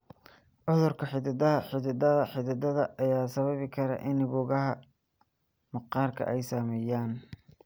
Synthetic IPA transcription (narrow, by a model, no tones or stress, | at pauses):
ʕʊðʊrkʰɐħɪd̪ɪd̪ɐɐħɪðɪd̪ɐðɐħɪðɪd̪ɐðɐʔɐjaːsɐβɐβɪkʰɐɾɐ̰ʔɪnɪβʊːɣɐɦɐ | mɐqɑːrkʰɐ̰ʔɛjsaːmɛːjaːn